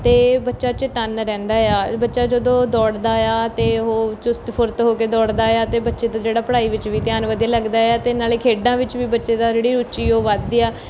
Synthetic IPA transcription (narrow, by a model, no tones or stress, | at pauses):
t̪eːbətːʃaːt͡ʃɪt̪ənɾɛ̃ːnd̪aːjaːbətːʃaːd͡ʒəd̪õːd̪ɔːɽd̪aːjaːt̪eːɦoːt͡ʃʊst̪pʰʊɾt̪ɦoːkeːd̪ɔːɽd̪aːjaːt̪eːbətːʃeːt̪ãːd͡ʒeːɽaːpəɽaːiːʋɪt͡ʃʋiːt̪jaːnʋəd̪iaːləɡd̪aːjaːt̪eːnaːleːkʰeːɖãːʋɪt͡ʃʋiːbətːʃeːd̪aːd͡ʒeːɽiːɾut͡ʃiːoːʋad̪iːaː